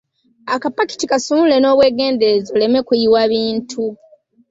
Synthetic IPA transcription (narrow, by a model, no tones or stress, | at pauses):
akapaki̥tikasumule̞no̞ːβwe̞ːɡe̞ːndezole̞me̞kuiwaβiːntʰu